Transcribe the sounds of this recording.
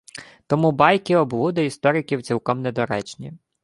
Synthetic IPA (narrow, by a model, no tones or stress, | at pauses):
t̪ɔmubɑjkɪɔblˠud̪ɐist̪ɔɾɪkʲiwt͡sʲilˠkɔmnɛd̪ɔɾɛt͡ʃnʲi